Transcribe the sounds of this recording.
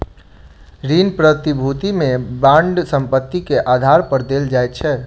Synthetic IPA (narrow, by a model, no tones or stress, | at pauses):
ɾinpɾət̪ibʱut̪imẽbãɳɖsə̃mpət̪ːikeʔad̪ʱaɾpəɾd̪eld͡ʒajt̪̚t͡ʃʰɛ